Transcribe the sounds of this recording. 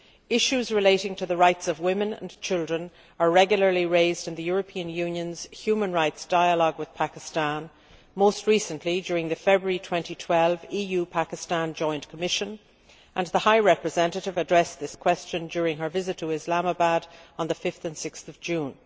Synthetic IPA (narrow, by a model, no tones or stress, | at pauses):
ɪʃʉzɹɨleɪɾɪ̃ŋtʰɨðəɹaɪtsʌvwɪ̃mɨ̃nə̰̃nt͡ʃʰɪlˠdɹə̃n | ə˞ɹɛɡjl̩ˠə˞liɹeɪzdɨ̃nðɨjʊɹɨpʰĩəɨ̃njʉ̃njə̃nz̥hjʉmə̃nɹaɪtsd̥aɪəlɔɡwɨð̥pʰakɨstãn | moʊst̚ɹisə̃nʔlid͡ʒʊɹɪ̃ŋðɨfɛbɹəɹitʰw̥ɛ̃ntitʰw̥ɛlˠvijʉpʰakɨstãnd͡ʒɔ̃ɪ̃nkʰəmɪʃə̃n | ʔə̃nðəhaɪɹɛpɹɨzɛ̃ntɨɾɨvədɹɛsðɪskʰw̥ɛst͡ʃɨ̃nd͡ʒʊɹɪ̃ŋə˞vɪzɨtʰəɪzlaməbaɾə̃nðəfɪfθɨ̃nsɪksθʌvd͡ʒʉ̃n